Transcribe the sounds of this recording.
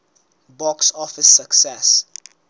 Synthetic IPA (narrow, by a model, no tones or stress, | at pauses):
bɔksɔfəsəksɛs